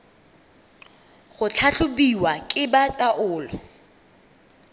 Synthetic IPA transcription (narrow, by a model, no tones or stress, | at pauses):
χʊt͡ɬʰaɬʊbiwakʼɪbatʼaʔʊːlɔ